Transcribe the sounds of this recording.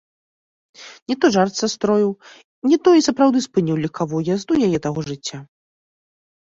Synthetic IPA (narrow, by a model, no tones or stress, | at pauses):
nʲɛt̪ɔʐart̪sast̪ɾɔjiw | nʲit̪ɔisɐpɾawd̪ɨspɨnʲiwlʲikʰavɔjazd̪ujajɛt̪aɣɔʐɨt͡sʲːa